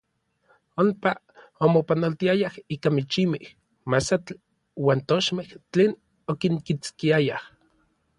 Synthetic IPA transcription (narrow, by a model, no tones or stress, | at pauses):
ompa | omopanolt̪iajahiːkamit͡ʃimih | masat͡ɬ | waːnt̪oʃmeht͡ɬeːn | okiŋkit͡skiajah